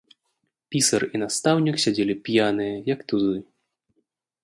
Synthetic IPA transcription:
pʲisɐrinast̪awnʲiksʲad͡zʲelʲipʲjanɨjɐjɐkt̪uzɨ

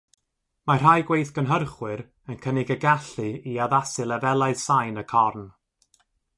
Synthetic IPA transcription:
mar̥ajɡwejθɡənɦərχwɨɾ | ənkʰənɪɡəɡaɬɨiaðasɨlˠɛvɛlˠaɨð̥sajnəkʰɔrn

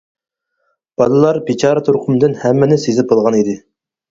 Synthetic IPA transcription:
b̥ɑlˠɨlˠɑɾbit͡ʃʰɑːɾɨt̪ʰoɾqʰʊmd̪ɨnhɛmːɛnɪsezɪp̚bolˠʁɑnid̪ɪ

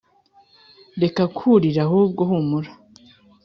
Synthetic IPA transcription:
ɾe̞kakʰuɾiɾahuːb̚ɡohumuɾḁ

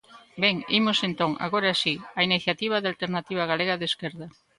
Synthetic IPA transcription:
beŋimosent̪oŋa̰ɣoɾeasiainiθjat̪iβ̞aðealt̪eɾnat̪iβ̞aɣ̞aleɣaðeskeɾðɐ

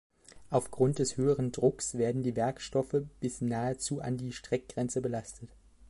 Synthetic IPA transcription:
ʔaʊfɡ̥ʁʊnt̚d̥ɛshøːəʁəndʁʊksv̥eːɐdn̩diːvɛɐkʃtɔfəb̥ɪsnaːət͡suːʔa̰ndiːʃtʁ̥ɛk̚ɡ̥ʁɛnt͡səbəlastʰət

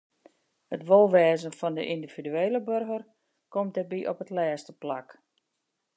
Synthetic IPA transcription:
hətʋolˠʋɛːzənfɔndə̰ʔindiv̥idyeːləbørɣər | komt̚dərbiʔopətlɛːstəplak

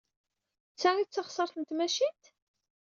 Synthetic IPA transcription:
t͡sːæʁit͡sːɑχsˤɑɾˤθənt̪mæʃit̪

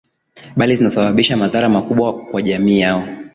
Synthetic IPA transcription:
ɓalizinasaɓaɓiʃamaðaɾamakuɓwakwaʄamiːjaɔ

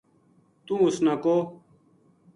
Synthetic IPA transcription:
t̪ũːʊsnakoː

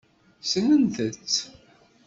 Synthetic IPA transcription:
sənənθət͡sː

